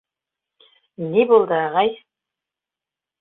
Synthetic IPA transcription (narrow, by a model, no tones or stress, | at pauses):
nebolˠd̪əɑʁɑj